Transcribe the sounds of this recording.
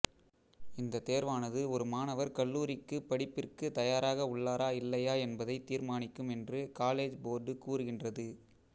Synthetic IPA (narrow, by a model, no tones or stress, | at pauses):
ɪnd̪ɐt̪eːɾʋaːnɐðɯɔɾɯmaːnɐʋɐɾkɐɭːuːɾɪkːɯpːɐɽɪpːɪrkɯt̪ɐjaːɾaːɣɐʊɭːaːɾaːɪlːɐjaːɛnbɐðɐɪt̪iːɾmaːnɪkːɯmɛndrɯkaːleːd͡ʒboːɾɖɯkuːrɯɣɪndrɐðɯ